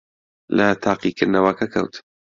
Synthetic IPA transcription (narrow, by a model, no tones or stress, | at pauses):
lɐt̪ʰɑːqikʰɨɾd̪nɐwɐkʰɐkʰɐ̰wt̪ʰ